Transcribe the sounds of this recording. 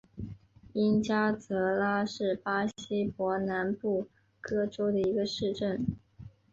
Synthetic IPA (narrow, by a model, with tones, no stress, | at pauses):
i˥nt͡ɕja˥t͡sɤ˧˥la˥ʂɻ̩˥˩pa˥ɕi˥pwɔ˧˥na˧˥npu˥˩ | kɤ˥ʈ͡ʂo˥ʊd̪ə˨i˧˥ɡə˧ʂɻ̩˥˧ʈ͡ʂə˥˩n